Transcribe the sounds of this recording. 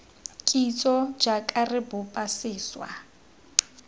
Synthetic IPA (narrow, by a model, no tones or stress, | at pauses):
kʼit͡sʼɔd͡ʒakʼarɪbʊpʼasɪːswa̰